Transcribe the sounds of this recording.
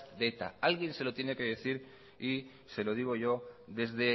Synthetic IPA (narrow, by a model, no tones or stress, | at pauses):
d̪et̪a̰alɣje̞nse̞lo̞t̪je̞ne̞keð̞eθiɾ | i | se̞lo̞ð̞iɣ̞o̞ʝo̞ðe̞zðe̞